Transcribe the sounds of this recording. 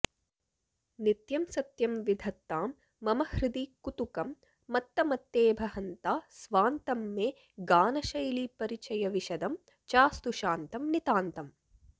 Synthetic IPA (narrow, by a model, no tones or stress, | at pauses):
nit̪jɐmsɐt̪jɐmʋid̪ʱɐt̪ːaːmː | ɐmɐhɾid̪ikut̪ukɐmː | ɐt̪ːɐmɐt̪ːeːbʱɐɦɐnt̪aːsʋaːnt̪ɐmːeː | ɡaːnɐʃɐjlipɐɾit͡ʃɐjɐʋiʃɐd̪ɐm | t͡ʃaːst̪uʃaːnt̪ɐmnit̪aːnt̪ɐm